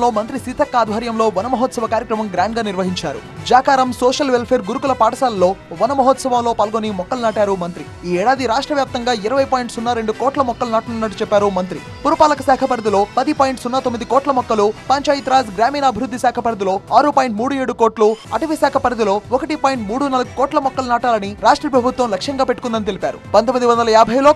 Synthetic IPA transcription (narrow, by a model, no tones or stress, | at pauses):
lo̞ːmɐnt̪ɾisiːt̪ʰɐkːaːd̪ʱɦɐɾjɐmlo̞ːʋɐnɐmɐɦɔt̪sɐʋɐkaːɾjɐkɾɐmɐmɡɾaːɳɖɡaːniɾʋɐɦiɲt͡ʃaːɾṵd͡ʒaːkaːɾɐmsɔːʂɐlʋelpʰe̞ːɾɡuɾukulɐpaːʈɐsaːlɐlo̞ːʋɐnɐmɐɦɔːt̪sɐʋɐmlo̞ːpaːlɡoːnimɔkːɐlnaːʈaːɾumɐnt̪ɾi | iːɛːɽaːd̪iɾaːʂʈɾɐʋjaːp̚t̪ɐŋɡaːiɾɐʋɐjpoːjiɳʈsunːɐɾeɳɖukoːʈlɐmɔkːɐlunaːʈununːɐʈːut͡ʃɛpːaːɾumɐnt̪ɾi | puɾupaːlɐkɐsaːkʰɐpɐɾd̪ilo̞ːpɐd̪ipoːjiɳʈsunːaːt̪omːid̪ikɔːʈlɐmɔkːɐlupɐɲt͡ʃaːjit̪ɾaːsɡɾaːmiːnɐɐbʱiɾud̪ːisaːkʰɐpɐɾd̪ilo̞ːaːɾupaːjiɳʈmuːɽueːɽukoːʈluɐʈɐʋisaːkʰɐpɐɾɐd̪ilo̞ːɔkɐʈipaːjiɳʈmuːɽunɐlɐɡukɔːʈlɐmɔkːɐlnaːʈaːlɐniɾaːʂʈɾɐpɾɐbʱut̪ʋɐmlɐkʂɐŋɡaːpe̞ʈːukund̪ɐnit̪elipaːɾupɐnt̪omːid̪iʋɐnd̪ɐlɐjaːbʱɐjlo̞ː